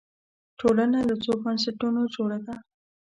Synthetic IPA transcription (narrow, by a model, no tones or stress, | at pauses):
ʈʰolanalat͡sobans̬ɪʈunod͡ʒoɽad̪a